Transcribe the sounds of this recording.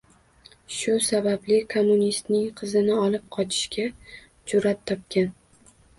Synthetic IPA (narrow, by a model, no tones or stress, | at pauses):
ʃʊsabablɪkʰomːunist̪nɪŋqʰɨzɪnɪɒlˠɪp̚qʰɒt͡ʃʰɪ̥ʃkʲa | t͡ʃʰʊɾat̪ʰːɒp̚kʲan